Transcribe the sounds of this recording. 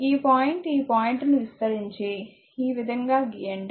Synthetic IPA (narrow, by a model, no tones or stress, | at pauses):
iːpaːjiɳʈiːpaːjiɳʈniʋist̪ɐɾiɲt͡ʃeː | iːʋid̪ʱɐŋɡaːɡijɐɳɖ